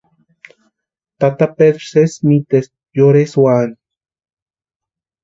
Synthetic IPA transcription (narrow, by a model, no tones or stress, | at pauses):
t̪at̪aped̪ɾsesmit̪es | joɾeswan